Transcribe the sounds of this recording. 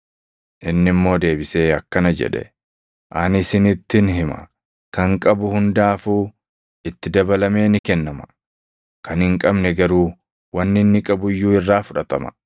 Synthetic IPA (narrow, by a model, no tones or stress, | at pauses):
ʔɪnːɪmːo̞ːd̪e̞ːbɪse̞ːɐkːɐnɐd͡ʒɛ̰ᶑɛ̰ | ʔɐnɪsɪnɪt̪ːɪnɦɪmɐ̰ | kɐŋkʼɐbʊhʊnd̪aːfuː | ɪt̪ːɪd̪ɐbɐlɐme̞ːnɪkɛnːɐmɐ̥ | kɐnhɪŋkʼɐbnɛɡɐɾuː | wɐnːɪnːɪkʼɐbʊjːuːɪrːaːfʊᶑɐt̪ɐmɐ̰